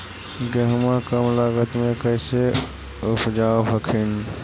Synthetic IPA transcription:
ɡeɦəmakəmlaɡət̪mẽkəɪse | upʰd͡ʒaobʱəkʰin

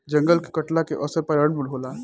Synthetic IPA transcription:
d͡ʒə̃ŋɡəlke̥kəʈlakeʔɔsəɾpəɾəɽmulɦola

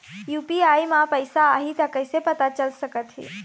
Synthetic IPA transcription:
juːpiaimãpəɪsaːɦit̪əkəɪsepət̪at͡ʃəlsəkət̪ɦḭː

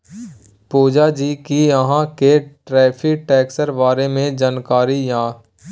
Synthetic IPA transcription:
puːd͡ʒad͡ʒiːkiəɦãkeʈɾɛːpʰiʈɛːksəɾbaːɾemẽd͡ʒaːnkaːɾijãː

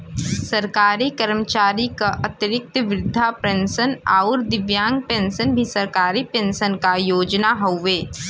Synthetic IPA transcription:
səɾkaːɾikəɾmət͡ʃaːɾikaʔɐt̪ɪɾɪk̚t̪ʋɾɪd̪ʱːapẽːnsəna̰ːʊɾd̪ɪʋjãːŋɡ̚pẽːnsənbʱisɐɾkaːɾipẽːnsənkajoːd͡ʒnaɦoʋeː

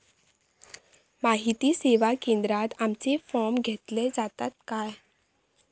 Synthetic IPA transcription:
maɦit̪iseʋakend̪ɾat̪amt͡sefɔɾmɡʱet̪led͡zat̪at̪kaj

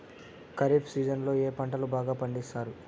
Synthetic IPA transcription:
kɐɾipsiːd͡ʒɐnlo̞ːeːpɐɳʈɐlubaːɡaːpɐɳɖisaːɾu

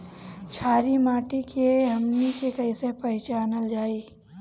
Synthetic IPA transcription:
t͡ʃʰaːɾimaːʈikeɦɐmnikekɐisepɐɦɪt͡ʃaːnəld͡ʒaːiː

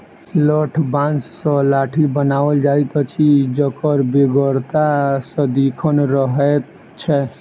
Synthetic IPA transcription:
ləʈʰbãnssə̃laʈʰibənabəld͡ʒajt̪t͡ʃʰid͡ʒəkəɾbeɡəɾt̪asə̃d̪ikʰənɾəɦɛt̪ | t͡ʃʰɛ

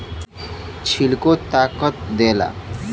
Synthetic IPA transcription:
t͡ɕʰilkot̪akɔt̪̚d̪ela̰

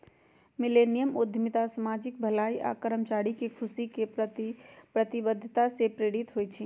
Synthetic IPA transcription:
milenijəmod̪ʱimit̪asəmad͡ʒɪk̚bʱəlaiʔa̰kəɾəmt͡ʃaɽikekʰusike | pɾət̪ibəd̪ʱːt̪asepɾeɽit̪ɦojt͡ʃʰi

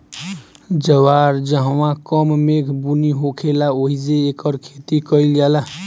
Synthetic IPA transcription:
d͡ʒəwaɾd͡ʒəɦwãkəmmekʰbuniɦokʰelaoɦid͡ʒeːkəɾkʰet̪ikəɪld͡ʒala

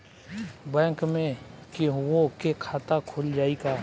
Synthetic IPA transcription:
bɛ̃ːŋkmẽkewokekʰaːt̪akʰʊld͡ʒaːikaː

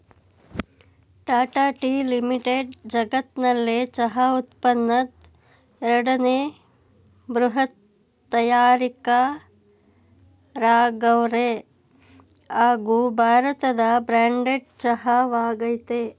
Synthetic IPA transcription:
ʈaːʈaːʈiːlimiʈeɖd͡ʒɐɡɐt̪nɐlːet͡ʃɐɦɐut̪pɐnːɐt̪ | ɛɾɐɽɐneː | bɾuɦɐt̪ː | ɐjaːɾika | ɾaːɡɐwɾe | aːɡubʱaːɾɐt̪ɐd̪ɐbɾaːɳɖeʈ̚t͡ʃɐɦɐʋaːɡɐjt̪e

